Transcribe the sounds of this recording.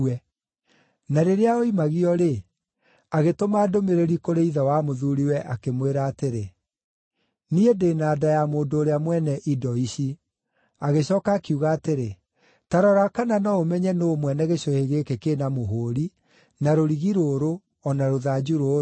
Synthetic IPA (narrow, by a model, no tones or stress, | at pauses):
ɛ | naɾeɾeaoimaɣiɔɾe | aɣetomaːdomeɾeɾikoɾeiðawamoðuɾiwɛʔakemweɾaːteɾe | niedeːnaːdajamoːndoːɾeamwɛnɛʔidɔiɕi | aɣeɕɔːkaːkiuɣaːteɾe | taɾɔɾakananaomɛɲɛnoːmwɛnɛɣeɕɔheɣekekeːnamoɦoːɾi | naɾoɾiɣiɾoːɾo | ɔnaɾoðaːd͡ʒuɾoː